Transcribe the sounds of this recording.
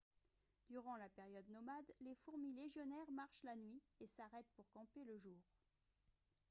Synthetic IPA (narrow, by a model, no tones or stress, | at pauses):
d̪̥yʁɑ̃lapeʁjɔd̪nɔmad̪lefuʁmileʒjɔnɛʁmaʁʃlanɥiesaʁɛt̪̚puʁkɑ̃peləʒuːʁ